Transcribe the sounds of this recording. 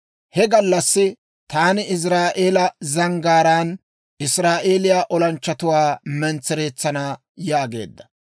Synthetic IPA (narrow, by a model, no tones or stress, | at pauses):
hɛɡɐlːɐsːɪ | t̪aːnɪɪs̬ɾaːʔeːlɐzɐŋɡaːɾaːn | ʔɪsɾaːʔe̞ːlɪjaːʔɔlɐnt͡ʃːɐt̪ʊwaːmɛnt͡sːɛɾeːt͡sːɐna | jaːɡe̞̰ːd̪ːɐ̥